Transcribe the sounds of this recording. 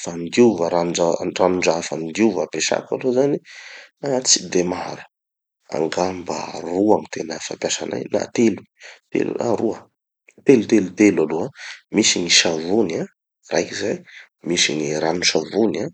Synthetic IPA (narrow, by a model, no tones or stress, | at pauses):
fand̪iuvəɾanuaranuɳɖ͡ʐaafand̪iuvapeʃa̰ka̰lozaniat͡sid̪emaɦaɾə | a̰ŋɡamba̰ruaŋit̪ʰenəfampʲjasana̰jna̰t̪elu̥ | t̪ḛlṵa̰ɾuə | t̪elut̪elut̪elaloamisiniʃavuna | rajkizaj | misiŋiɾanusavuna